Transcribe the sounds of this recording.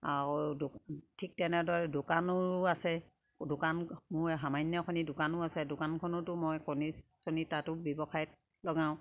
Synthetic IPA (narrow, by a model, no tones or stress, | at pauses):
aɹudtʰik̚tɛnɛdɔɹɛdʊkanɔɹasɛ | dʊkanmʊɹɦamajnjɔkɔnidʊkanʊasɛdʊkankʰɔnɔtʊmɔjkɔnisɔnitatʊbɔbɔkʰajt̚ | lɔɡãʊ̃